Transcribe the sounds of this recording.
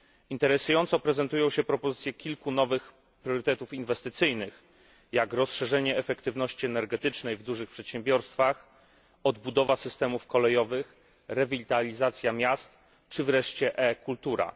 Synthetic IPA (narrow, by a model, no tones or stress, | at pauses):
int̪ɛɾɛsujɔnt̪sɔpɾɛzɛnt̪ujɔ̃w̃ɕɛpɾɔpɔzɘt̪sʲjɛkʲilkunɔvɘx | pɾʲjɔɾɘt̪ɛt̪ufinvɛst̪ɘt̪sɘjnɘx | jakɾɔsʂɛʐɛɲɛːfɛkt̪ɘvn̪ɔɕt͡ɕiɛnɛɾɡɛt̪ɘt͡ʂnɛjvd̪uʐɘxpʂɛt̪ɕɛmbʲjɔɾst̪fax | ɔd̪bud̪ɔvasɘst̪ɛmufkɔlɛjɔvɘx | ɾɛvʲilʲt̪alʲizat̪sʲjamʲjast̪ | t͡ʂɘvɾɛʂt͡ɕɛʔɛkult̪uɾa̰